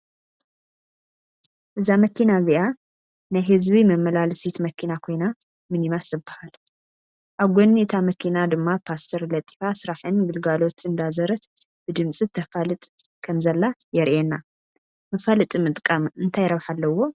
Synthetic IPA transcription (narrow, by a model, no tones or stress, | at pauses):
ʔɨzamɐkinaziʔa | najɦɨzβimɐmːɐlalsit̪mɐkʰinakʰo̞jna | mɨnimast̪ʰɨbːahal | ʔaβɡʷonːit̪ʰamɐkʰinad̪ɨmːapʰast̪ʰɐɾlɐt̪ʼi̥fasɨɾaħɨnɡɨlɡalo̞t̪ʰɨnd̪azɐɾɐt̪ | b̥ɨd̪ɨmsʼɨt̪ʰːɐfalɨt̪ʼ | kʰɐmzɐlːajɛɾʔenːa | mɐfalɨt̪ʼimɨt̪ʼkʼamɨnt̪ʰajɾɐβħalːɐwo̞